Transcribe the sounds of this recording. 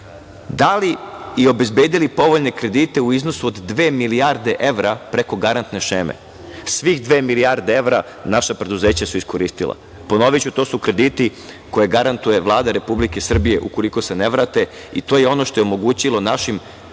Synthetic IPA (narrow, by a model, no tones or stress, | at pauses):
d̪aliio̞be̞zbe̞ːd̪ilipo̞ʋo̞ʎne̞kɾe̞d̪it̪e̞uizno̞suod̪ːʋe̞ːmiliaɾd̪e̞ʔe̞ʋɾapɾe̞ko̞ɡaɾant̪ne̞ʃeːmḛ | sʋixd̪ʋe̞ːmilijaɾd̪ee̞ʋɾa | naʃapɾe̞d̪uze̞ːt͡ɕasuisko̞ɾist̪ilˠa̰ | po̞no̞ʋit͡ɕut̪o̞ːsukɾe̞d̪iːt̪i | ko̞je̞ɡaɾant̪uje̞ʋlˠaːd̪aɾe̞publike̞sr̩bije̞ʔuko̞likose̞neʋɾaːt̪e̞ | it̪o̞ːjeo̞no̞ʃt̪o̞jeomo̞ɡuːt͡ɕilˠo̞naʃim